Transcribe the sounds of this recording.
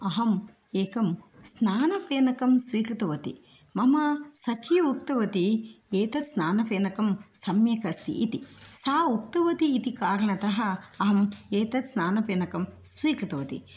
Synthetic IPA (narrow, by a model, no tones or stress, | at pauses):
ɐɦɐm | eːkɐmsnaːnɐpeːnɐkɐmsʋiːkɾɐt̪ɐʋɐt̪ḭ | mɐmɐsɐkʰjɐuk̚t̪ɐʋɐt̪ieːt̪ɐt̪snaːnɐpeːnɐkɐmsɐmjɐkɐst̪ḭʔit̪isaːuk̚t̪ɐʋɐt̪iːt̪ikaːɾɐɳɐt̪ɐɦɐːɦɐmeːt̪ɐt̪snaːnɐpeːnɐkɐmsʋiːkɾɐt̪ɐʋɐt̪ḭ